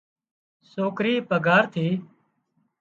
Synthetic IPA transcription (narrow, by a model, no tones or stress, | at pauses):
soːkɾiːpəɡʱaːɾt̪ʰiː